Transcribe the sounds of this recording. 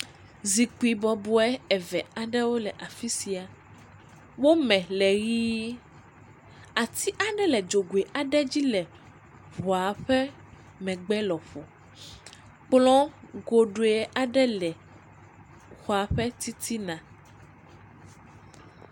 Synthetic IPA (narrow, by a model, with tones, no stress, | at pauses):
zi˨k͡pu˨i˨bɔ˨bo˨˦ɛ˦ɛ˨vɛ˨a˨ɖɛ˦wo˦lɛ˨ʔa˨fi˦si˨˦a˨ | wo˦mɛ̃˨lɛ˨ɣiː˦ | a˨t̪i˦ʔa˨ɖɛ˦lɛ˨d͡ʒo˨ɡo˨e˨ʔa˨ɖɛ˦d͡ʑi˦lɛ˨ | βɔ˨a˨ɸɛ˦ | mɛ̃˨ɡ͡bɛ˦lɔ˨ɸo˨ | k͡plɔ̃˦ɡo˨ɖo˨˦ɛ˦ʔa˨ɖɛ˦lɛ˨ | xɔ˨a˨ɸɛ˦t̪i˦t̪ʰi˦nã˨